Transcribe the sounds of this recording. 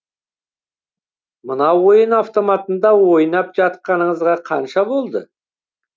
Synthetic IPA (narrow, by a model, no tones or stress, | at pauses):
mənɑwwo̞jənɑft̪o̞mɑt̪ənd̪ɑwo̞jnɑpʒɑt̪̚qɑnəɴəzʁɑqʰɑnʃɑbo̞lˠd̪ə